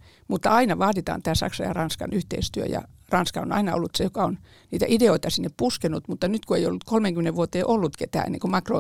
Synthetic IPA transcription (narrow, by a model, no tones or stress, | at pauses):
mut̪ːɑɑinɑʋɑːdit̪ɑ̰ːnt̪æːsɑ̰ksɑjɑ̰rɑnskɑ̰nyht̪ḛist̪yø̰jɑ̰rɑnskɑo̰nɑ̰inɑo̰lːut̪sejokɑon | niːt̪æ̰ʔideoit̪ɑsinːeppuskenut̪mut̪ːɑnyt̪kueijo̰lːut̪kʰolmeŋɡ̥ymeneʋʋuot̪eːʔolːut̪ket̪æ̰ːḛnːḛŋkomɑkro̰